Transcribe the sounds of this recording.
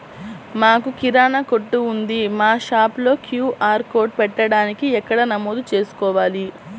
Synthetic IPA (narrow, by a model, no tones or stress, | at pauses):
maːkukiɾaːnɐko̞ʈːuːnd̪imaːʃaːplo̞ːkʰjuːʔaːɾko̞ːɖ̚pɛʈːɐɽaːnikiɛkːɐɽɐnɐmoːd̪ut͡ʃe̞ːsu̥kɔːʋaːli